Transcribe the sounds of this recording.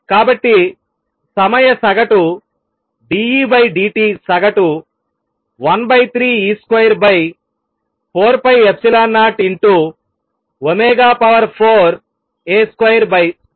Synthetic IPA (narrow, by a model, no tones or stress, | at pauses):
kaːbɐʈːi | sɐmɐjɐsɐɡɐʈu | ɖiːiːbɐjɖiːʈiːsɐɡɐʈu | ʋɐnbɐjt̪ʰɾiːiːskwɐjɐɾbɐj | pʰoːɾpɐjepsilaːnːaːʈiɳʈu | omeːɡaːpɐʋɐɾpʰoːɾ | eːskɐjɐɾbɐj